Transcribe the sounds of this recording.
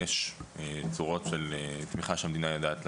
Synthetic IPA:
eʃet͡suʁo̞tʃelet̪miχaʃeamed̪inajodaːt̪l

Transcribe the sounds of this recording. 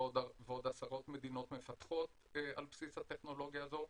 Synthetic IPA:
odveo̞d̪asaʁo̞t̪me̞d̪ino̞t̪me̞fat̪χo̞t̪ | ealpsishat̪e̞χno̞lo̞ɡjazo̞

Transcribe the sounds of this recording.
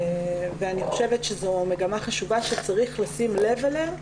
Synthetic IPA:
veaniχo̞ʃevetʃezome̞ɡamaχaʃuvaʃet͡saʁiχlasimle̞velem

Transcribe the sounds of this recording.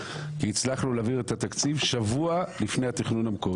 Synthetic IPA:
kiːt͡slaχluleːviʁet̪at̪akt͡sivʃavualifne̞jhat̪iχnunamko

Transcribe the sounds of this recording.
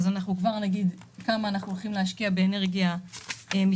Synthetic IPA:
zanaχnukvaʁnaɡid̪ | kamaːnaχnuolχimlehaʃkiabeːne̞ʁɡijaemi

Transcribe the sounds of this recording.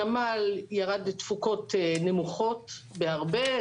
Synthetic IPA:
amaljaʁadtfuko̞tne̞muχo̞t | beaʁbe

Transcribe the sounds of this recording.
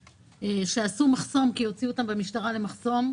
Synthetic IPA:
eʃeasumaχso̞mkijo̞t͡siuot̪ambemiʃtaʁale̞maχso̞m

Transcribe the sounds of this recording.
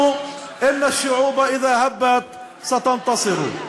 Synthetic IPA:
ʔɪnːaʃːʊʕuːbaʔɪðaːhabːat̪ | sat̪ɑnt̪ɑsˤɨɾ̰

